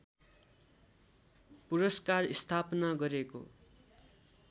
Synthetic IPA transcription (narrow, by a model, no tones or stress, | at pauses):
puɾʌskarist̪ʰapnaɡʌɾeko̰